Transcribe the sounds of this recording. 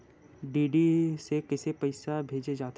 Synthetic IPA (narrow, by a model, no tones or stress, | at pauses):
ɖiːɖisekɪsepɐɪsabʱeːd͡ʒed͡ʒaːt̪